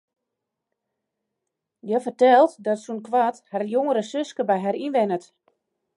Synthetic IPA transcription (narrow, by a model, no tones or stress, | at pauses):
jɛfərtɛlˠtdɔtsunkʋatharjoŋəɾəsøskəbɛjɦaɾinʋɛnət